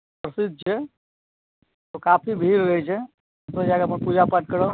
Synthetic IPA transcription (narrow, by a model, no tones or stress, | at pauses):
pɾəsɪd̪̚ʱt͡ʃʰe | t̪okaːpʰibʱiːɾɾəit͡ʃʰe | t̪od͡ʒaːɡəmẽpuːd͡ʒapəʈ̚kəɾo